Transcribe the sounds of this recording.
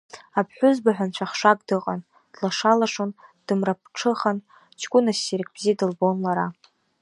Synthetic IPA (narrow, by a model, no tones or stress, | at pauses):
apʰħʷᶣʊzbaħʷᶣant͡ɕʷʰaχʂakʼdɨqʼan | d̥laʂalaʂond̥ɨmrap̚ʰʈ͡ʂʰɨχan | t͡ʃʰɡʷʊnasiɾkʰʼbzijdɨlbonlaɾa